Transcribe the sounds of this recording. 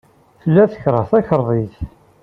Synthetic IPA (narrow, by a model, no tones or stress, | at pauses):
θəlːæθə̥çɾˤəθæçəɾˤðˤiθ